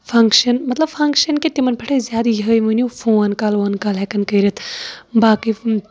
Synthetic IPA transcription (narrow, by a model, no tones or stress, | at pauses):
fʰɐŋkʃɐnmɐt̪lɐbfɐŋkʃɐnkit̪imɐnpʰɐʈʰɐzʲjaːd̪jɐɦəjmɨnʲufʰoːɐnkalʋɐnkaːlɦekɐnkəːɾit̪ʰbaːki